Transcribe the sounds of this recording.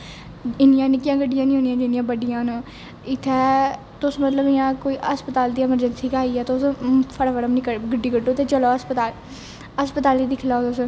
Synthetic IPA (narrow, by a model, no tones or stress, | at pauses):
ɪnjãːnɪkɪjãːɡəɖɪjãːnĩɦõːnijãːd͡ʒɪnɪjãːbəɖɪjãːnː | ɪt̪ʰːɛː | t̪ʊsmət̪ləbɪjãːkoːiːʔəspət̪aːld̪iːɛməɾd͡ʒənsiːkaːiːɛːt̪ʊspʰəɽafəɽəmnikəɾɡəɖiːɡəʈːõːt̪eːt͡ʃəloːəspət̪aːl | əspət̪aːliːd̪iːkʰɪlaːot̪ʊs